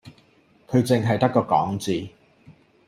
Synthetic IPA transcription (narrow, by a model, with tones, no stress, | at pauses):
kʰɵ˨˧ɥt͡sɪ˨ŋɦɐ˨jt̪ɐ˥kːɔː˧kɔ̰ː˨˥ŋt͡siː˨